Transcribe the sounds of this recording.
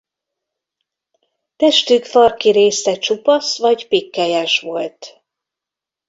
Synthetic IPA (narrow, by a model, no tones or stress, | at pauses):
t̪ɛʃt̪ykfɒrkiɾeːsɛt͡ʃupɒsʋɒɟpikːɛjɛʃʋo̞lt̪